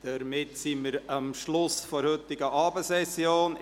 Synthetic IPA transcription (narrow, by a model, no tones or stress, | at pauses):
d̥əɾmɪt̪siməɾɑmʃlʊsfɔɾhɵt̪ːɪɡəʔɑːbəsɛsjoːn